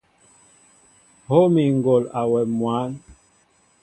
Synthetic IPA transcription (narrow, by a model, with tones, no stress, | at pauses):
ho˦mi˨ŋ˨ɡo˨la˨wɛ˨mwa˨˦n